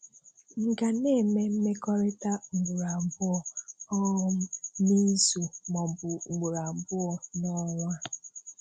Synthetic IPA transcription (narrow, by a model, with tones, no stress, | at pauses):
ŋ̩˨ka˨ne˦˨me˦m̩˦me˦kɔ˦ɾe˦ta˦ŋ͡m̩˨ɡ͡bu˨ɾa˨m̩˨bʊ˦ɔ˨ɔ˦ʊ˦m̩˦ni˦zu˨mɔ˨m˨bʊ˨ŋ̩˨ɡ͡bu˨ɾa˨m̩˨bʊ˦ɔ˨nɔ˦ŋʷa˦